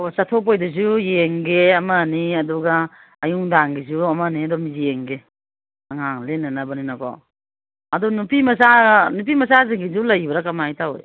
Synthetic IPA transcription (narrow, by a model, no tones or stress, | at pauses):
osatʰop̬ojdɐzujeŋɡeɐmɐniɐduɡaː | juŋdaŋɡizuɐmaniɐdɔmizieŋɡe | ɐŋaŋlenːɐnɐbɐninakɔ̰ | ɐdɔnupimɐsanup̬imɐsaziŋɡizulɐjbɐɾɐkɐmajtawo̰j